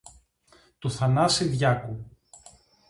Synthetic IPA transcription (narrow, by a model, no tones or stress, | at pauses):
t̪uθɐnɐsiðʝɐku